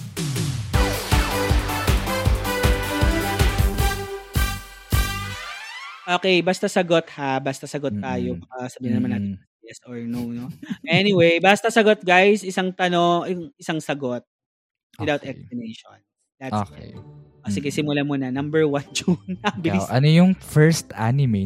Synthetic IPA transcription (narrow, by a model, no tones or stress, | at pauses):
ʔoːkɛjbast̪ɐsɐɡot̪̚habast̪ɐsɐɡot̪ːaːjobɐkɐsɐbiːhɪnɐmɐnːaːt̪ɛnɐiʔɛsoɹnonoʔɛnɪwejbast̪ɐsɐɡot̪̚ɡajsɪsaŋt̪ɐno̞ŋŋɪsaŋsɐɡot̪̚ | wɪdawt̪ɛksplɪnejʃon | d̪̥ɐt̪okɛ̰ʔosɪɡɛsɪmʊlamʊnɐnɐmbɛɹwɐnd͡ʒunabɪliʔɐnojʊŋfɛɹst̪ʔanɪme